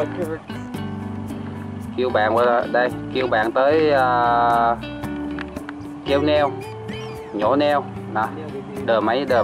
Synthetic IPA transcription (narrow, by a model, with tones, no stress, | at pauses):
ki˧əwɓa̰ː˧˨nvə˧˩˨ɗə˧˩jki˧əwɓa̰ː˧˨nt̪əː˨˦jəː˧˩ | kɛ˧wnɛ˧w | ɲo̰˧˥nɛ˧w | na˨˩ | ɗəː˨˩mə˨˦jɗəː˨˩